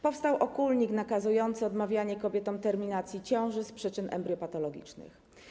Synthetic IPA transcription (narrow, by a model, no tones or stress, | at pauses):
pɔfst̪awʔɔkulɲiknakazujɔnt̪sɘɔd̪mavʲjaɲɛkɔbʲjɛt̪ɔmt̪ɛɾmʲinat̪sʲjit͡ɕɔ̃w̃ʐɘspʂɘt͡ʂɘnʔɛ̰mbɾʲjɔpat̪ɔlɔɡʲḭt͡ʂnɘ̰x